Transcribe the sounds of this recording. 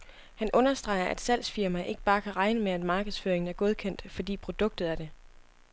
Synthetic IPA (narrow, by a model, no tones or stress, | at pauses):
hænʔɔ̽nɐsd̥ʁɑ̈ɪ̰ɐʔæd̥sæl̰sfiɐmæʔe̝ɡ̥əb̥ɑ̈ːkʰæʁɑ̈ɪnəmeæd̥mɑ̈ːɡ̥əð̞̩ˠsføːɐeŋn̩æɐɡ̥o̝ð̞ˠkʰen̰d̥fɒ̽d̥ḭːpʰʁo̝d̥ɔ̽ɡ̥̚d̥ð̞̩ˠæɐd̥e̝